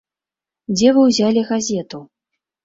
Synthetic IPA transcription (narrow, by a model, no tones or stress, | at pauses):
d͡zʲɛvɨwzʲalʲiɣazʲɛt̪u